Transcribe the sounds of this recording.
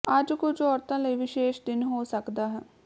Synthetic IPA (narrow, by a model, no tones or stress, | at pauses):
ɐd͡ʒkʊt͡ʃʰɔːɾt̪ãləiʋɪʃeːʃd̪ɪnɦoːsəkd̪aːɦɛː